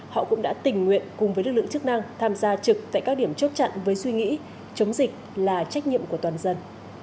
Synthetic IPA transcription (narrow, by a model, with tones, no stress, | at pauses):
hɔ̰˧˨kʊ̰˧˥ŋ͡mɗa̰ː˧˥t̪ï˨˩ŋ̟ŋwḭ˧˨ənkʊ˨˩ŋ͡mvəː˦nɨ˦˥k̚lɨ̰˧˨ŋt͡ɕɨ˦˥k̚na˧ŋt̪ʰaː˧mzaː˧t͡ɕɨ˨˩k̚t̪a̰ː˧˨jkaː˦˥k̚ɗi˧˩əmt͡ɕə˦˥t̚t͡ɕa̰˧˨nvəː˨˦jswi˧ŋḭ˧˥ | t͡ɕə˨˦wŋ͡mzï˨˩k̚laː˨˩t͡ɕa˦˥jk̟̚ɲḭ˧˨əmku˧˩ət̪waː˨˩nzə˧n